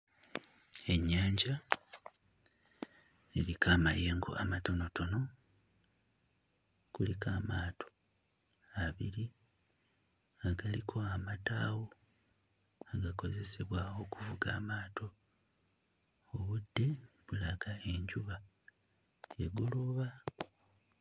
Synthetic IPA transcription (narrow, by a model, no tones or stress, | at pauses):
e̞ɲːaːɲɟa | elikaːmaje̞ːŋɡo̰ʔa̰mato̞noto̞no̞ | kulikaːmaːtʰo | aβiɾi | aɡalikʰo̞amataːwo | aɡako̞ze̞se̞βwaːwo̞kuvuɡa̰ːmaːto̞ | βudːe̞βulaɡae̞ɲɟuβa | jeɡuluβa